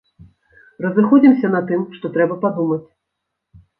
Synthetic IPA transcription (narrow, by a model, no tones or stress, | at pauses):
rɐzɨxɔd͡zʲimsʲɐnɐt̪ɨmʂt̪ɔt̪ɾɛbɐpad̪umɐt͡sʲ